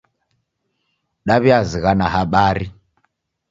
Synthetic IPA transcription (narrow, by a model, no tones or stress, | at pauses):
ɗaβiaziɣanaɦaɓaːɾi